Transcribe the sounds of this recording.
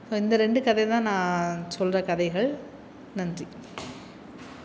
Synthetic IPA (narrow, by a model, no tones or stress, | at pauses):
soːɪnd̪ɐɾɛɳɖɯkɐðɐɪjt̪ãːnãːsɔlrɐkɐðɐɪɣɐɭ | nɐndri